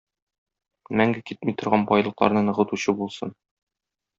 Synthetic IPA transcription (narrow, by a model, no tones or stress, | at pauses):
mæŋɡɘkit̪̚mit̪ŏɾʁɑnbɒjlˠɤ̆qlˠɑ̰ɾnɤnɤ̆ʁɤ̆t̪uɕɤbulˠsɤn